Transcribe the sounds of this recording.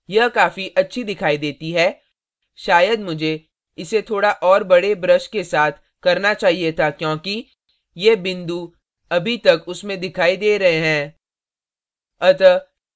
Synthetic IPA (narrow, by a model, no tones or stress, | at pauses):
jɐkaːfiʔɐtːʃʰid̪ɪkʰaːid̪eːt̪iɦɛː | ʃaːjəd̪mʊd͡ʒʱe | ɪset̪ʰoːɽaʔɔːɾbɐɽebɾəʃkesaːt̪ʰ | kɐɾnat͡ʃaːɦiet̪ʰakjõːki | jeːbɪ̃nd̪u | ɐbʱit̪ɐkʊsmẽd̪ɪkʰaːid̪eːɾɐɦeɦɛ̃ː | ɐt̪ə